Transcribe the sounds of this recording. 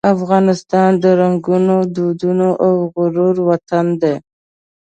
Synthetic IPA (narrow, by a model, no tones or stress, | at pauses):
afɣɑnɪst̪ɑnd̪əɾaŋɡunod̪ud̪unoʔawɣʊɾoɾwat̪and̪e